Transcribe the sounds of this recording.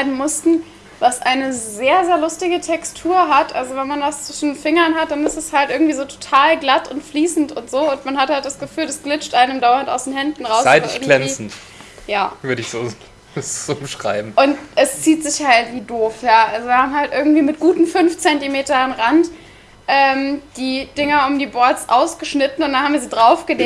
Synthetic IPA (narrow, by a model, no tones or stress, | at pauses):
ʁaɪbm̩mʊstn̩ | vasʔaɪnəzeːɐzeːɐlʊstɪɡətʰɛkstʰuːɐɦatʔa̰lzovɛnmanvast͡sv̥ɪʃn̩fɪŋɐnɦat̚d̥anɪstɛshaltʔɪɐɡŋ̩tv̥iːzoːtʰo̥tʰaːlɡlatʊntfliːsn̩tʊntz̥oːʊntmanhathalt̚d̥asɡ̥əfyːlɛsɡ̥lɪt͡ʃtʔaɪnəmdaʊɐntaʊsd̥eːnhɛndn̩ʁaʊsaɪtɪɪɐɡŋlɛnit͡sːin̩t | jaːvʏɐdəɪçz̥oː | zomʃʁ̥a̰ɪbm̩ʔʊntʔɛst͡siːtz̥ɪçhaltv̥iːdoːfjaːʔalzoviːhaːmɦaltʔɪɐɡŋ̩tv̥iːmɪt̚ɡ̥uːtn̩fʏnft͡sɛntimeːtɐanʁant | ʔɛːmd̥iːd̥ɪŋɐʊmdiːbɔɐtsʔaʊsɡ̥əʃnɪtn̩ʊntd̥anhamviːɐziːdʁaʊfɡ̥əleː